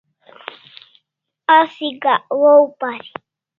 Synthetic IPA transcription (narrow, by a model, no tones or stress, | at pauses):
asiɡawoupaɾi